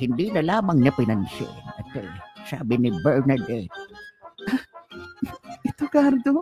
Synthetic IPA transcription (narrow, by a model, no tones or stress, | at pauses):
hɪnd̪inɐlaːmɐŋɲɐpɪnansɛ̰ʔnɐt̪esa̰ːbɪnɪbɛɹnad̪ɛt̪̚ | a | ɪt̪okaɾd̪o